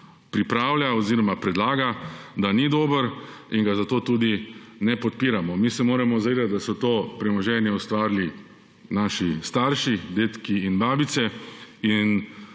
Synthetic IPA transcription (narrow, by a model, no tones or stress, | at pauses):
pɾipɾaːwljaɔziːɾɔmapɾɛd̪laːɡad̪anid̪oːbəɾiŋɡazat̪oːt̪uːd̪inɛpɔt̪̚piːɾamɔmiːsɛmoːɾamɔzaʋeːd̪at̪̚d̪asɔt̪oːpɾɛmɔʒɛːnjɛɔst̪ʋaːɾli | naːʃist̪aɾʃid̪eːt̪kiːnbaːbit̪sɛin